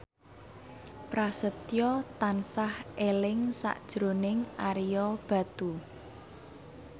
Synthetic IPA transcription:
pɾasət̪jɔt̪ansahelɪŋsa̰ʔd̥ʒ̥ɾonɪŋʔaɾijɔb̥ä̤t̪u

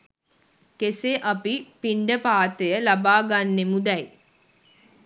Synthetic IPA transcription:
keseʔapipiɳɖəpaːt̪əjəlabaːɡanːemud̪ɛj

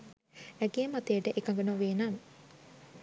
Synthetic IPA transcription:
æɡijəmat̪ejəʈəʔekaŋɡənoʋeːnamə

